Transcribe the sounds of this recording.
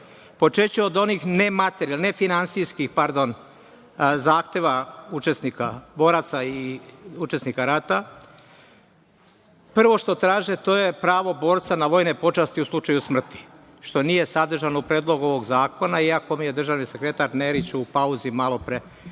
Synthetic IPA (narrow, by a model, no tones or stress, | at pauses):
po̞t͡ʃet͡ɕeod̪o̞nixnemat̪eɾlne̞finansijskixpaɾd̪o̞n | zaːxt̪e̞ʋaut͡ʃe̞snikabo̞ːɾat̪saiut͡ʃe̞snikaɾat̪a | pr̩ʋo̞ʃt̪o̞t̪ɾaːʒet̪o̞je̞pɾaːʋo̞bo̞ːɾt̪sanaʋo̞jnepo̞t͡ʃast̪iuslˠut͡ʃajusmr̩t̪i̥ | ʃt̪o̞nije̞sad̪r̩ʒanoupɾeːd̪lˠo̞ɡuo̞ʋo̞ɡzaːko̞naiako̞muje̞d̪r̩ʒaʋnisekɾe̞t̪aɾneɾit͡ɕupauzimalˠo̞pɾe